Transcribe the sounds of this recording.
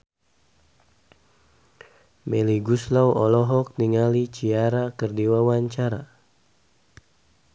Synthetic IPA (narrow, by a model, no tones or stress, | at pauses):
mɛliɡuslawʔɔlɔɦɔk̚niŋalit͡ʃiaɾakərdiwawaɲt͡ʃaɾa